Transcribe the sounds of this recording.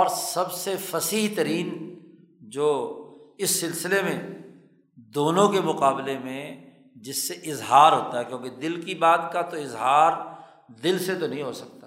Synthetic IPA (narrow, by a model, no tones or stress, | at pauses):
ɔːɾsɐbsefɐsiɦt̪əɾiːn | d͡ʒoːɪsːɪlsɪlemẽ | d̪oːnõkemʊqaːblemẽ | d͡ʒɪsːeʔɪzɦaːɾɦoːt̪aɦɛkjõːked̪ɪlkibaːt̪kat̪oɪzɦaːɾ | d̪ɪlset̪onɐɦĩɦosɐk̚t̪a